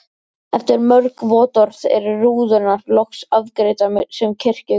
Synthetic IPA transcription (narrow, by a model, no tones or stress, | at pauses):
ɛft̪ɪɾmœɾkvɔːt̪ɔɾ̥ðɛ̰ɾʏruːðʏnarlɔksaðkɾeːjt̪amʏsɛmcʰɪr̥cɪ